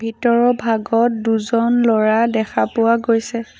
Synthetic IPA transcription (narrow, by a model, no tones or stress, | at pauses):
bʱitɔɹɔbʱaɡɔt̚duzɔnlɔɹadɛkʰapʊwaɡojsɛ